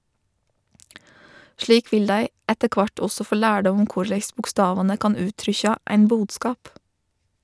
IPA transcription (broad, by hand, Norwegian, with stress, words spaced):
ˈʃliːk ˈʋɪl ˈdæɪ ˈɛtə ˈkʋɑʈ ˈɔsɔ ˈfoː ˈlæːɖɔm ˈʊm ˈkʊɾlæɪs bʊkˈstɑːʋɑnə ˈkɑːn ˈʉːtɾʏçɑ ˈæɪn ˈbuːdˌskɑːp